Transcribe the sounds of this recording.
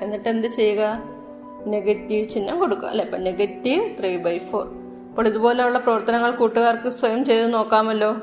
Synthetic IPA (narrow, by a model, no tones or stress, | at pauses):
e̞nːiʈːe̞nd̪ɨt͡ɕe̞jːuɣɐ | ne̞ɡɐtːiʋt͡ɕinːɐmko̞ɽukːua̰ɐ̰lːepːoːne̞ɡɐtːiʋt̪riːbɐjfo̞̰ːr | ɐpːoːɭiðubo̞ːleuɭːɐprɐʋɐrt̪ɐnɐŋːɐɭkuːʈːuɣaːrkɨswɐjɐmt͡ɕe̞jt̪ːɨno̞ːkːaːmɐlːo̞ː